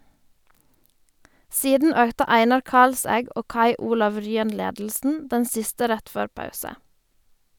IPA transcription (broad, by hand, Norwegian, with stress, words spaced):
ˈsiːdn̩ ˈøːktə ˈæɪnɑɾ ˈkɑlsæɡ ˈoː ˈkɑɪ ˈuːlɑʋ ˈɹyːən ˈleːdl̩sn̩ ˈdɛn ˈsɪstə ˈɾɛt ˈføːɾ ˈpɑʉsə